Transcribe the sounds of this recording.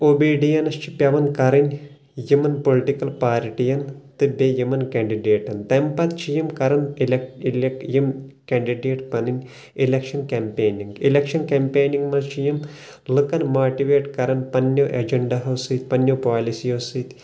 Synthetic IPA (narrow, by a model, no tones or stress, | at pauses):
obiːɖijɐnɐst͡ʃʰi̥pʲjɐʋɐnkɐɾɐnʲ | jumɐnpoliʈikɐlpaːɾʈijɐnt̪ɨbejumɐnkɐɳɖiɖeːʈɐnt̪ɐmpɐt̪t͡ʃʰijɐmkɐɾɐnileiljimkɐɳɖiɖeːʈpɐninʲ | ilekʃɐnkɐmpeːniŋɡilekʃɐnkempeːniŋɡmɐt͡ʃʰijim | lɨkɐnmaːʈiʋeːʈkɐɾɐnpɐnːoʔɐd͡ʒɐɳɖɐɦɐwsɨːt̪̚ʲpɐnjopaːlisijoːsɨːt̪ʲ